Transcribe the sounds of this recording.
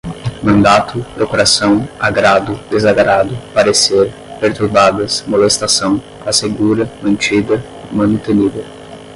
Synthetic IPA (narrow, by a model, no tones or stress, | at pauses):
mɐ̃nd̪at̪ʊpɾokuɾasɐ̃w̃aɡɾad̪ʊd̪ezaɡɾad̪ʊpaɾeseɾ | peɾt̪uɾbad̪ɐsmolest̪asɐ̃w̃ | aseɡuɾɐmɐ̃nt͡ʃiɡ̪ɐ | mɐ̃nut̪enid̪ɐ